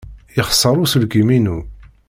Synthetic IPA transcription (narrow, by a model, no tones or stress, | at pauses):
jəχə̥sˤːəɾˤusəlɡiminu